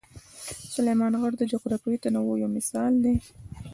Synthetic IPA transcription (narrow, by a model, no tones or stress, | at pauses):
sʊlejmɑnɣəɽd̪əd͡ʒaqɾakuwit̪anawojomɪsɑld̪e